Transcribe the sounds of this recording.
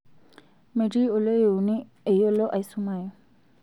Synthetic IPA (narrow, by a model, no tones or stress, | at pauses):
meɖioloewni | ejoloʔajsumajɔ